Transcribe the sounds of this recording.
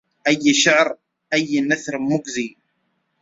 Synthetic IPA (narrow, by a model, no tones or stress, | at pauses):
ʔæjːʃəʕɾˤ | ʔæjːnæθɾˤmːʊɡzi